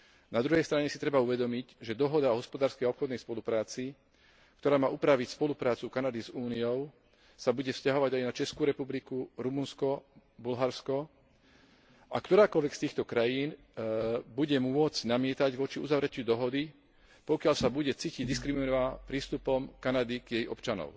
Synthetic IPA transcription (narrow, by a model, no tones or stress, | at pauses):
nad̪ɾuɦɛjst̪ɾaɲɛsit̪ɾɛbauʋɛd̪ɔmiɟʒɛd̪ɔɦɔd̪aɔɦɔspɔd̪aːɾskɛjaɔpxɔd̪nɛjspɔlupɾaːt͡si | kt̪ɔɾaːmaːupɾaʋicspɔlupɾaːt͡sukanad̪izuːnijɔʊ | sabuɟɛfscaɦɔʋaɟajnat͡ʃɛskuːɾɛpublikuɾumunskɔ | bulɦaɾskɔ | ʔakt̪ɔɾaːkɔlʋɛkst̪iːxt̪ɔkɾajiːn | buɟɛmʊɔd͡zɟnamɪɛt̪aɟʋɔt͡ʃiuzaʋɾɛcud̪ɔɦɔd̪i | pɔkɪaʎsabuɟɛt͡siːciɟd̪iskɾiminapɾiːst̪upɔmkanad̪iɡ̥jɛjɔ̰pt͡ʃanɔ̰ʊ